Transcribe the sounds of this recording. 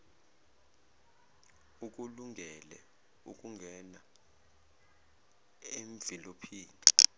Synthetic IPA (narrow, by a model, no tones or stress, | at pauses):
uk̬ʼuluŋʱɛlɛ̰ | ṵk̬ʼuŋɡʱɛna | eɱvilopʰiːni